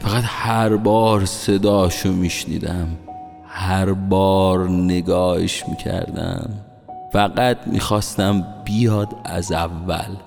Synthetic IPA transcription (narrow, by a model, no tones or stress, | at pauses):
fæɣæt̪hæɾbɒːɾsed̪ɒːʃomiːʃnḭːd̪æm | hæɾbɒːɾne̞ɡɒːhḛʃmḭːcʰæ̰ɾd̪æ̰m | fæɢæt̪̚ʰmḭːxɒːst̪æmbijɒːd̪æ̰zævːæ̰l